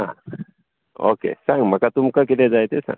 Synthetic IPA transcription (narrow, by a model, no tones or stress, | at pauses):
ã̰ | o̰kḛsaŋmakat̪umkak̬eled͡ʒajt̪esã̰ŋ